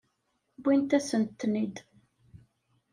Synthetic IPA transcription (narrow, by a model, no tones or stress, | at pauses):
bʷːint̪æsənt̪ːnid̪